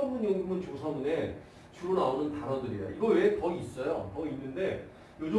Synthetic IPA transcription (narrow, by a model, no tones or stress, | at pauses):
ʌmuɲoŋmɯnt͡ɕosʰamune̞ | t͡ɕuɾonaonɯntaɾʌndɯɾijo̰iɡʌwe̞tʌiis͈ʌjotʌinːɯnde̞ | jod͡ʑʌ